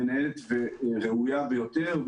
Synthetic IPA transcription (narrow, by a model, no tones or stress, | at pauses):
enaelet̪veʁeujavejo̞t̪eʁ